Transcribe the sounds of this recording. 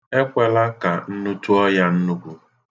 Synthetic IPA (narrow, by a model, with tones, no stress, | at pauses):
e˦kʷe˦la˦ka˨n̩˦nu˦tu˦ɔ˦ja˦n̩˦nu˦ku˦